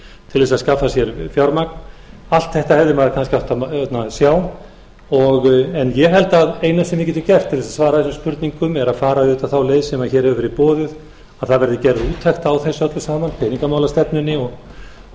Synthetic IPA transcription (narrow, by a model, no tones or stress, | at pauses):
t̪ʰɪlvɛːs̬aðskafːasjɛɾfjaɾmaknal̥t̪θɛht̪ahɛvðɪmaɾakʰanscɪawht̪at̪nasjaːw | ɔɣɛnjɛɦɛlt̪aðeːjnasɛmjɛcʲɛt̪ɪcɛft̪ʰːɪlðɛsaðsvaːɾaðθɛsʏmspʏɾt̪niŋkʏmɛɾaðfaːɾaʏːt̪awθawleːjðsɛmaðçɛːɾhɛvʏfɪɾipɔːðʏð | aðθaðvɛɾðɪcɛɾðuːt̪ʰɛxt̪awθɛsœt̪lʏsaːmanpʰɛːniŋkamaːwlast̪ɛpnʏnːɪɔɣ